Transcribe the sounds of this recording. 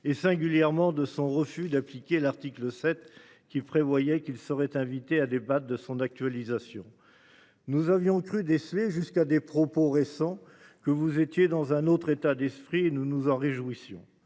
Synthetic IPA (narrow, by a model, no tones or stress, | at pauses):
esɛ̃ɡʲyljɛʁmɑ̃d̪əsɔ̃ʁəfyd̪aplikʲelaʁt̪ikləsɛt̪ | kʲipχevwajɛkʲilsəʁɛt̪ɛ̃vit̪ead̪ebat̪̚d̪əsɔ̃nak̚t̪ɥalizasjɔ̰̃ | nuzavjɔ̃kχyd̪esleʒyskad̪epχɔpoʁesɑ̃ | kəvuzet̪jed̪ɑ̃zɛ̃not̪χet̪ad̪ɛspχienunuzɑ̃ʁeʒwisjɔ̰̃